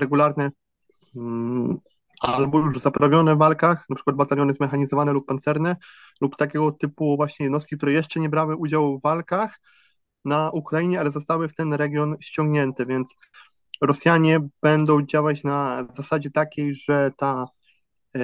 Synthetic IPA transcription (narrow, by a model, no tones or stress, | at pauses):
ɾɛɡulaɾnɛ | albɔjuʐzapɾavʲjɔnɛvːalkaxnapʂɘkwad̪bat̪alʲjɔnɛzmɛxaɲizɔvanɛlupːant̪sɛɾnɛ | lupt̪akʲɛɡɔt̪ɘpuvwaɕɲɛjɛd̪nɔst̪̚kʲik̚t̪uɾɛjɛʂt͡ʂɛɲɛbɾawɘʔud͡ʑawvvːalkax | naʔukɾajiɲɛalɛzɔst̪awɘft̪ɛnɾɛɡʲjɔnɕt͡ɕɔ̃ŋɡɲɛnt̪ɛvʲjɛnt̪s | ɾɔsʲjaɲɛb̥ɛnd̪ɔ̃w̃d͡ʑawat͡ɕnazasad͡ʑɛt̪akʲejʐɛt̪a